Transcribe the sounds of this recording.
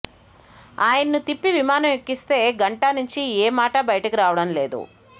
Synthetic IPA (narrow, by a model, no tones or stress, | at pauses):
aːjɐnɐnut̪ipːiʋimaːnɐmekːist̪e̞ːɡɐɳʈanuɲt͡ʃieːmaːʈɐbɐjɐʈɐkiɾaːʋɐɽɐmle̞ːd̪ṵ